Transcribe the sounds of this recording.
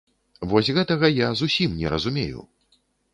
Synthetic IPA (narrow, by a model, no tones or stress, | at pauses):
vɔsʲɣɛt̪ɐɣɐjazusʲimnʲɛ̰ɾɐzumʲḛjṵ